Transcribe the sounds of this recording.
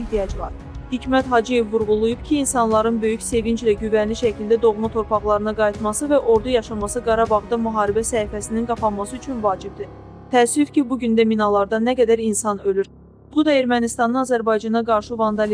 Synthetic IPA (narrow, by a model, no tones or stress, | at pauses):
d̪ijɑd͡ʒvɑ̰ɾ | hicmæt̪ɦɑd͡ʒije̞vːuɾɣulˠujub̥cʰiːnsɑnlˠɑɾɯnbø̞jycse̞vind͡ʒlæɟyvænliʃæcʰild̪æd̪o̞ɣmɑt̪ʰo̞ɾpʰɑɣlˠɑɾɯnɯɡɑjit̪mɑsɯvæʔo̞ɾd̪ujɑʃɑmɑsɯɡɑɾɑbɑʁd̪ɑmyɦɑːɾibæsæifæsininɡɑpʰɑnmɑsɯyt͡ʃʰynvɑːd͡ʒib̚d̪i | t̪ʰæsvyfcʰibuɟynd̪æminɑlˠɑɾd̪ɑnæɡæd̪æɾinsɑnølyɾ | b̥ud̪ɑe̞ɾmænist̪ɑnɯnɑzæɾbɑjd͡ʒɑnɑɡɑɾʃɯvɑnd̪ɑl